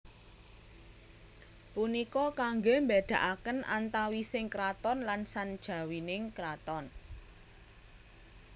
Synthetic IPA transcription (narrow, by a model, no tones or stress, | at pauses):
punikɔkaŋɡombed̪̥a̤ʔakənʔa̰nt̪awisɪŋkɾat̪ɔnlansand̥ʒ̥ä̤winɪŋkɾat̪ɔn